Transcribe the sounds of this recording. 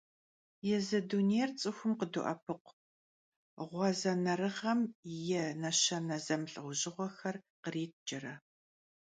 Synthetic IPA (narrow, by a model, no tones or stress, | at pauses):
jɛzɐdunejrt͡sʼɨxʷʊmqədṵʔɐ̰pʰɨqʷ | ʁʷɑzɐnɐɾɨʁɐmjɛnɐɕɐnɐzɐmɬʼɨʁʷʊʑɪʁʷɔxɐrqəriːt̚ʰd͡ʒɐɾɐ